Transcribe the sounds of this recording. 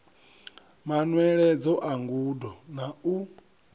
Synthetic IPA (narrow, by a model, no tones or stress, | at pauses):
manwɛɺɛd͡zɔʔaŋɡuːdɔnau